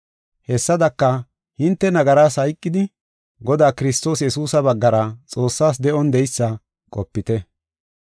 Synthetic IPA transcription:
hɛsːɐd̪ɐkːɐ | hɪnt̪ːɛnɐɡɐɾaːshɐjkʼːɪd̪ɪ | ɡɔd̪aːkɪɾɪst̪o̞ːsjɛsuːsɐbɐɡːɐɾɐt͡sʼo̞ːsːaːs̬d̪ɛʔɔnd̪ɛjsːɐ | kʼɔpːɪt̪ɛ

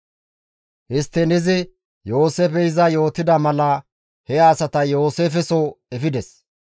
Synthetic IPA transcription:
hɪst̪ːɛnɪzɪ | jo̞ːseːfɛjɪzɐjo̞ːt̪ɪd̪ɐmɐlɐ | hɛjaːsɐt̪ɐjo̞ːseːfɛsoɛfɪd̪ɛs

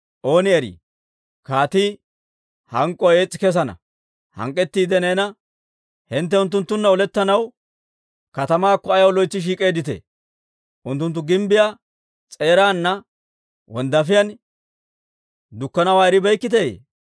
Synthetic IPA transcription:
ʔo̞ːnɪɛɾḭː | kaːt̪iː | hɐŋkʼːɔeːt͡sʼːɪ̥kɛs̬ɐnɐ̰ | hɐ̰ŋkʼːɛt̪ːiːd̪ɛneːnɐ | hɪnt̪ːɛʊnt̪̬ːʊnt̪ːʊnːɐɔlɛt̪ːɐnɐw | kɐt̪ɐmaːkːɔɐjɐwlɔjt͡sːɪʃ̬iːkʼe̞ːd̪ɪt̪ḛː | ʔʊnt̪ːʊnt̪̬ːʊɡɪmbɪja | t͡sʼe̞ːɾaːnːɐ | wɔnd̪ɐfɪjɐn | d̪ʊkːɐnɐwaːɛɾɪbɛjkːɪt̪̬ḛː

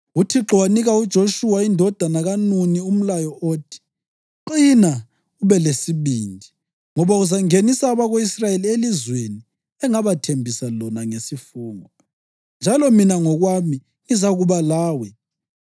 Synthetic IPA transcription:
utʰiǁwaniɣaud̥ʒ̥ʱoʃuwaindʱɔd̥ʱanaɣanunium̩lajɔoːtʰi̥ | ǃina | uβɛlesiβiːndʱi | ŋɔβauzaŋenisaβaɣoisrajelielizweni | ɛŋaβatʰembʱisalɔnaŋesifuːŋɔ | nd͡ʒʱalɔminaŋɔɣwami | ŋizaɣuβalaːwɛ

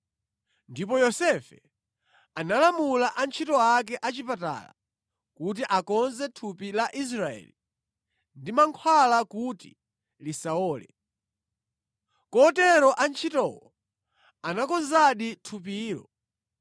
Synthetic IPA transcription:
ndipɔjɔsɛfɛ | analamulaʔant͡ʃʰitɔak̬ɛʔat͡ʃipata̰la̰ | kut̬iʔakɔnzɛtʰupilaʔis̬ɾaɛ̰ːli | ndimaŋkʰwalakutḭ | lisaɔːlɛ̰ | kɔtɛɾɔʔant͡ʃʰitɔwɔ | anakɔnzaɗitʰup̬iːɾɔ̰

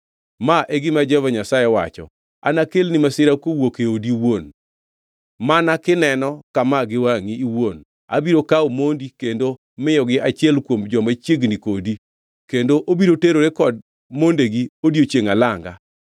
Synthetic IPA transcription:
maʔeɡɪmad͡ʒɛvaɲasajɛwa̰t͡ʃɔ̰ | a̰nakelnɪmasɪɾakowokeodiwon | manakɪnɛnɔkamaɡɪwaŋiiwon | a̰biɾokaomondikendo | mɪjɔɡɪʔat͡ʃɪɛlkwomd͡ʒɔmat͡ʃjeɡnikodi | kendoʔobiɾoteɾoɾekɔd̚ | mondeɡiodjot͡ʃeŋalaŋɡa̰

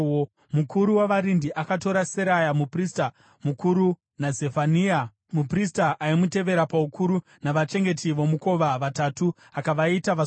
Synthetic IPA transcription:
mukuɾuwaʋaɾindiʔakato̞ɾaseɾajamuprista | mukuɾu | nad͡ze̞fania | mupristaʔaimute̞ʋe̞ɾapaukuɾu | naʋat͡ʃe̞ŋɡe̞tiʋo̞muko̞ʋaʋatatu | akaʋaitaʋa

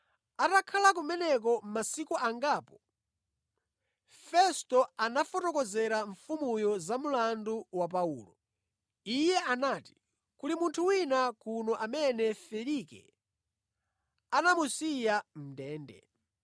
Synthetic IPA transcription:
atakʰalak̬umɛnɛk̬ɔm̩masikuʔaŋɡaːpɔ | fɛstɔanafɔtɔkɔzɛɾaɱfumujɔzamulanduwap̬aṵːlɔ | ijɛʔanaːti̥ | kulimuntʰuwinakunɔʔamɛnɛfɛlikɛ̰ | anamusijam̩dɛːndɛ̰

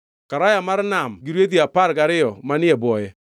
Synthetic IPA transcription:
kaɾajamaɾnamɡiɾwet̬iapaɾɡaɾɪjɔmanɪɛbwɔjɛ

